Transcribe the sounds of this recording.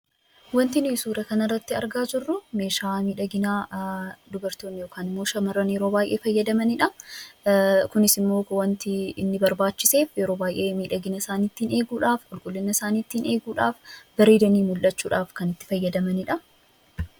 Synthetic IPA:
wɐnt̪ɪnisuːɾɐkɐnɐrːɐt̪ːɪɐ̰ɾɡaːd͡ʒɪrːʊme̞ːʃaːmiːᶑɐɡɪnaːd̪ʊbɐɾt̪o̞ːnːɪjoːkaːnɪmːo̞ːʃɐmɐrːɐnjɛɾo̞ːbaːjʔe̞ːfɐjːɐd̪ɐmɐnɪᶑɐ | kʊnɪsɪmːo̞ːwɐnt̪ɪɪnːɪbɐɾbaːt͡ʃːɪ̥se̞ːfjɛɾo̞ːbaːjʔe̞ːmiːᶑɐɡɪnɐsaːniːt̪ːiːne̞ːɡuːᶑaːfkʼʊlkʼʊlːɪnːɐsaːniːt̪ːine̞ːɡuːᶑaːfbɐɾeːd̪ɐniːmʊlʔɐt͡ʃːuːᶑaːfkɐnɪt̪ːɪ̥fɐjːɐd̪ɐmɐnɪᶑɐ

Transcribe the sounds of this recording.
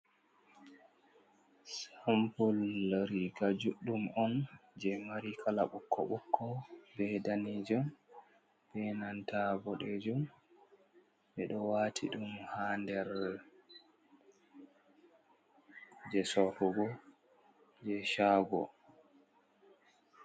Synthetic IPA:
sampulɾiɡad͡ʒuɗumɔnd͡ʒɛmaɾikʰalaɓukːɔ̰ɓukʰːɔbɛdanid͡ʒɔm | bɛnantʰaɡɔɗɛd͡ʒum | ɓɛɗɔwatʰiɗumhandɛɾ | d͡ʒɛsɔɾuɡɔ | d͡ʒɛʃaːɡɔ̰

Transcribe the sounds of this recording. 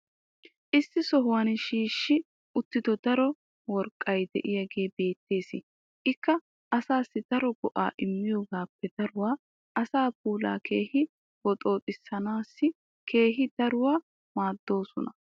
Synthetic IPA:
ʔɪsːɪsɔɦʊwɐnɪʃiːʃːɪ | ʊt̪ːɪd̪ɔd̪ɐɾɔ | wɔɾkʼːɐjd̪ɛʔɪjɐɡe̞ːbe̞ːt̪ːe̞ːsɪ | ʔɪkːɐ | ʔɐsaːsːɪd̪ɐɾɔɡ̥ɔʔa̰ːʔɪmːɪjoːɡaːpːɛd̪ɐɾʊwaː | ʔɐsaːp̚uːla̰ːkʰe̞ːhɪ | wɔt̪ʼo̞ːt̪ʼɪsːɐnaːsːɪ | kʰe̞ːɦɪd̪̥ɐɾʊwaː | maːd̪ːo̞ːsɔnɐ

